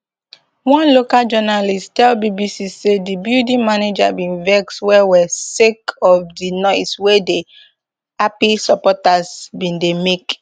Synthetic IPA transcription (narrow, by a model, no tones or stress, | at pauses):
wɔ̃nlokald͡ʒɔnalistɛlbibisisedibildĩmaned͡ʒabĩnvɛkswɛwɛsekɔfdinɔɪswede | apisɔpɔtasbĩndemek